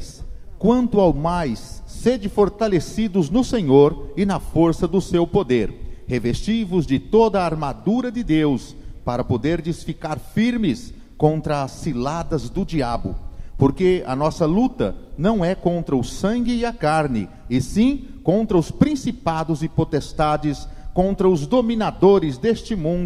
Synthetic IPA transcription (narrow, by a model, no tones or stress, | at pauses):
skwɐ̃nt̪ʊawmajsːed͡ʒɪfoɾt̪alesid̪ʊznʊsẽɲoɾɪnɐfoɾsɐd̪ʊsewpod̪eɾhevest͡ʃijvʊzd͡ʒɪt̪od̪ɐːɾmad̪uɾɐd͡ʒɪd̪ews | paɾɐpod̪eɾd͡ʒɪsfikaɾfiɾmɪs | kõnt̪ɾɐːsːilad̪ɐzd̪ʊd͡ʒiabʊ̰poɾkeɐ̰nɔsɐlut̪ɐ̰nɐ̃w̃ɛkõnt̪ɾɐʊsɐ̃ɡɪːɐkaɾnɪ̰ | ɪsĩkõnt̪ɾɐʊspɾĩsipad̪ʊzɪpot̪est̪ad͡ʒɪskõnt̪ɾɐʊzd̪omĩnad̪oɾɪzd̪est͡ʃɪmũnd̪ʊ